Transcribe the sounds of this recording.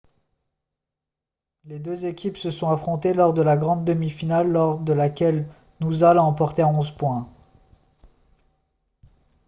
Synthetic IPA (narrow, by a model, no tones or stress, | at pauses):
led̪øzekʲʰipsəsɔ̃afχɔ̃t̪elɔʁd̪əlaɡʁɑ̃d̪ːəmifinalːɔʁd̪əlakʲɛl | nuzalɑ̃pɔʁt̪eaɔ̃zpwɛ̃